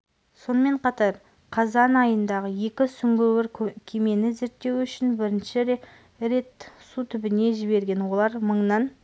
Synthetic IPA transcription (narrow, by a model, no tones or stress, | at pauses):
so̞nəme̞ɴqʰɑt̪ɑɾ | qʰɑzɑnɑjənd̪ɑʁəje̞kʲɪsʏŋɡʲewɪɾkʲʰkʲʰeme̞nɪze̞ɾt̪ːe̞wʏʃɪnbɪɾɪnʃɪɾe | ɾe̞t̪sut̪ʰʏbɪne̞ʒɪβe̞ɾɡʲe̞nwo̞lˠɑɾməɴnɑn